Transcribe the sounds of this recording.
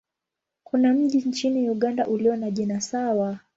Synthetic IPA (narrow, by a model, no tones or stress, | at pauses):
kʰunam̩ʄint͡ʃiniuɠandaʔuliɔnaʄinasawa